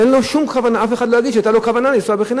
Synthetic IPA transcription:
ɛlnɔʃumkʰavanaafɛχad̪laɡit͡ʃʰɛt̪ʼalɔkʰavananisuabɛχina

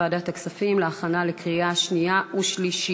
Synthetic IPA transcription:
aːdataksafimleaχanalekʁiaʃnijaʔuʃliʃi

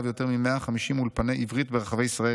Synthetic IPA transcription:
vjo̞t̪e̞ʁmime̞aχamiʃimulpane̞jʔivʁit̪beʁaχave̞jisʁae

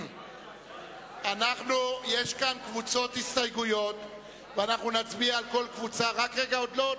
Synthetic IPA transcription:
anaχnuje̞ʃkankvut͡so̞t̪hist̪ajɡujo̞t̪ | veanaχnunat͡sbiaːlko̞lkvut͡saʁakʁeɡaod̪lo

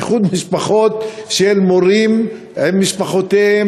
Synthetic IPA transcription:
χud̪miʃpaχot̪ʃelmoʁim | emːiʃpaχot̪ee

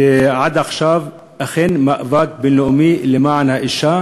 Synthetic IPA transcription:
ʕad̪ʔaxʃaːv | ʔaxenmaʔvaːk̚bɪnloʔmilɪmaʕanhaʔɪʃːa

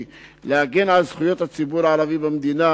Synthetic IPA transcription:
lehaɡenʕalzχujo̞t̪hat͡sibuɾaʕalavibamd̪ina

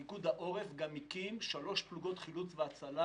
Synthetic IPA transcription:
iɡud̪aʔo̞ʁefɡamikimʃalo̞ʃpluɡo̞t̪χilut͡sveat͡sala

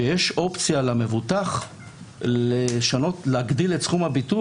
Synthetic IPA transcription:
ejeʃʔo̞pt͡sijalame̞vutaχ | eʃano̞tleaɡd̪iletsχumhabitu

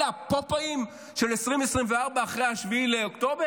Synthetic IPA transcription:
apopaim | ʃelesʁimesʁimveaʁbaːχʁejaʃviileokto̞be

